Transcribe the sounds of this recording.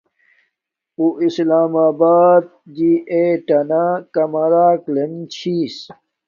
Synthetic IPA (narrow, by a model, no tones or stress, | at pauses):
uʔislaːmaːbaːd̪̚d͡ʑieʈɐnakɐmɐɾaːklent͡ɕʰiːs